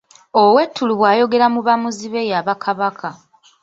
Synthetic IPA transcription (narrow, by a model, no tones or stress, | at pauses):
owe̞tʰːuluβwaːjo̞ɡe̞ɾamuβamuziβe̞jaβakʰaβakʰa